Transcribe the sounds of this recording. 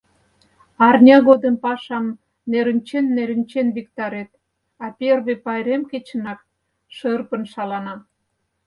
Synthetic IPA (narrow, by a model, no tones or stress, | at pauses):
ɑrnʲɑɣod̪əmpɑʃɑm | neɾə̆nʲt͡ɕenːeɾənʲt͡ɕenβikt̪ɑɾet̪̚ | ɑpʲerβepɑjɾemket͡ɕənɑk̚ | ʃərpə̆nʃɑlɑnɑm